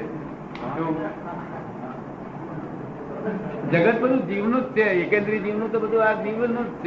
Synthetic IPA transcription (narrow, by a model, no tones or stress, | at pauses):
t̪o | d͡ʒəɡət̪̚bəd̪ʱud͡ʒiʋnut̪̚t͡ʃʰeekẽnd̪ɾid͡ʒiʋnũt̪obəd̪ʱuad͡ʒiʋnutt͡ʃʰ